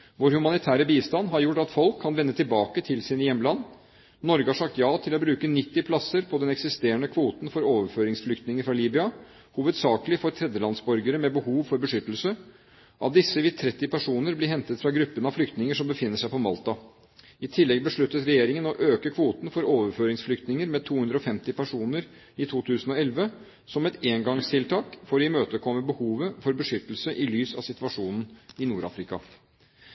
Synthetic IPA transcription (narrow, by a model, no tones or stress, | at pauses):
ʋoːɾhʉmɑnɪt̪ʰæːɾəbiːst̪ɑnɦɑɾjʊʈːɑt̪fɔlkʰːɑnʋɛnːət̪ʰɪlbɑːkət̪ʰɪlsiːnəjɛmːlɑnː | nɔɾɡəhɑʂɑkt̪jɑːt̪ʰɪlɔbɾʉːkənɪt̪ːɪpʰlɑsəɾpʰɔd̪ɛnɛksɪst̪eːəɳəkʰʋuːt̪n̩fɔɾoːʋəɾføːɾɪŋsflʏkt̪nɪŋəɾfɾɑliːbɪɑ | huːʋəd̪sɑːkəlɪfɔɾt̪ʰɾɛd̪əlɑnsbɔɾɡəɾəmɛbəhuːʋfɔɾbəʂʏt̪l̩sə | ʔɑ̰t̪d̪ɪsːəʋɪt̪ʰɾɛt̪ːɪpʰæʂuːnəɾblɪɦɛnt̪ət̪fɾɑɡɾʉpːənəɑʋflʏkt̪nɪŋəʂɔmbəfɪnːəʂæɪpɔmɑ̰lt̪ɑ | ɪt̪ʰɪlːɛɡ̚bəʂɭʉt̪ːət̪ɾɛjeːɾɪŋənɔʔøːkəkʰʋuːt̪n̩fɔɾoːʋəɾføːɾɪŋsflʏkt̪nɪŋəɾmɛt̪ʰuːʉnd̪ɾəɔfɛmt̪ɪpæʂuːnəɾ | ɪt̪ʰuːt̪ʰʉːsən̩ɔɛlʋə | sɔmɛt̪eːŋɡɑŋst̪ʰɪlt̪ʰɑːkfoɾɪmøːt̪əkʰɔmːəbəhuːʋəfɔɾbəʂʏt̪l̩səʔɪlyːsɑ̰ʋsɪt̪ʋɑʂuːnn̩ɪnuːɾɑ̰ːfɾɪkɑ